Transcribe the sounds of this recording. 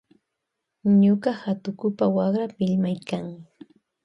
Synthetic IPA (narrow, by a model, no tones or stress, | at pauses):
ɲoɢahat̪ʊkʊpawaχɾapɪʎmajkaŋ